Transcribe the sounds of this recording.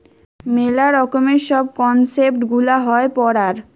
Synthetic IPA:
melaɾɔkomeɾʃɔb̚kɔnsep̚ʈɡulaɦɔepɔɽaɾ

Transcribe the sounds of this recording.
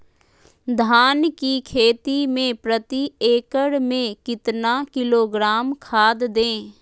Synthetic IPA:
d̪ʱaːnkikʰeːt̪imẽpɾət̪ieːkəɽmẽkɪt̪nakɪloːɡɾaːmkʰaːd̪d̪ẽː

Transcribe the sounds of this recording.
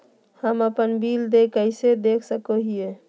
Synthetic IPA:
həməpənbild̪ekəɪsed̪ekʰsəkoɦije

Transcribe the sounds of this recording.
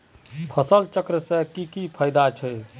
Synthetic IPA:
pʰəsəlt͡ʃəkɾəsẽkikipʰəjd̪at͡ʃʰɛ

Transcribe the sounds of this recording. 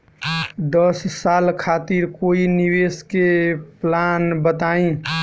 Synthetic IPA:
d̪əsːalkʰat̪iɾkoiniweskeplanbət̪aĩ

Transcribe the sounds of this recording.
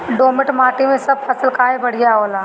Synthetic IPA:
ɖoːmɪʈmaːʈimẽsɐb̚pʰɐsəlkaːebɐɽ̤ijaɦoːlaː

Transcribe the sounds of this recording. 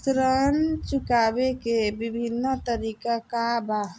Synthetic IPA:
sɾənt͡ʃukabekebibʱinːət̪əɾikakaba

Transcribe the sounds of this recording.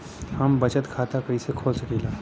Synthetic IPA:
hɐmbɐt͡ʃət̪kʰaːt̪akɐisekʰoːlsəkiːlaː

